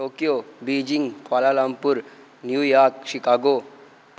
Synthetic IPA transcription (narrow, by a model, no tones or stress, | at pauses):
oːkijobid͡ʒiŋɡkalalampuɾ | njujaːɾkʃikaːɡo | p